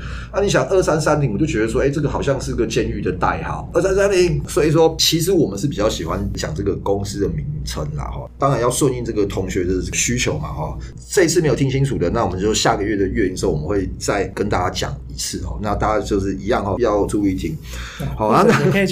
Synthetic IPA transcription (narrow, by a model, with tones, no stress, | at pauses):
na˥˩ni˨˥ɕ̬jɑ˨˩ŋʔə˥˩sa˥nsa˥nt̪i˨˩ŋwt͡ɕjo˥˩ʊɥɛ˧˥d̪ə˧s̬wɔ˥˧e˥ɪʈ͡ʂɤ˥˩ɡə˩xɑ˨˩ʊɕjɑ˥˧ŋʂ̩˥˨˧ɡə˨˩t͡ɕjɛ˥˧ny˥˧˩d̪ə˨t̪a̰˥˩ɪhɑ̰˨˩ə˥˩sa˥nsa˥ni˨˩swɔ˦˥i˨˩s̬wɔ˦˥t͡ɕʰi˧˥ʂ̬ɻ̩˧˥wɔ˨˩mə˦nʂɻ̩˥˩pi˨˩t͡ɕjɑ˥˩ʊɕi˨˩xwa˦nt͡ɕjɑ̰˨˩ŋʈ͡ʂɤ˥˩ɡə˨kʊ˦ŋs̩˥d̪ə˨mi˧˦ŋt͡sʰə˧˥ŋlɐ̰˨xɔ̰˥˩t̪ɑ˥˦ŋa˨˦njɑ˥˧ʊswə˥˧ni˥˧nt͡sɤ˥˩ɡə˩t̪ʰʊ˧˥ŋɕɥɛ˧˥d̪ə˨˥ɕy˦˥t͡ɕʰjo˧˥ʊma̰˨xɔ̰˥˨ | ʈ͡ʂɤ˥˧i˥t͡s̩ʰ˥˩me˧˥jt̪ʰi˥ŋt͡ɕʰi˥nt͡sʰu˨˩d̪ə˦na˥˩wmə˦t͡ɕjo˥˧˥ɕja˥˨ɡə˩ɥɛ˥˩d̪ə˩ɥɛ˥˧i˨˩s̩˧˥˩wɔ˨mə˦nxwe˥˩ɪt͡sa˥˩ɪkə˦nt̪a˥˧t͡ɕa˥t͡ɕjɑ̰˨˩ŋi˧˦˥t͡s̩ʰ˥˩xɔ̰˥˩na˥˧t̪a˥˩t͡ɕa˥t͡ɕjo˥˧ʊʂɻ̩˥˩i˧˥jɑ˥˨ŋhɔ˨˩jɑ˥˩ʊ˧ʈ͡ʂu˥˧i˥˩˨t̪ʰi˦˥ŋ | hɔ˥˩na˥˧na˥˧˩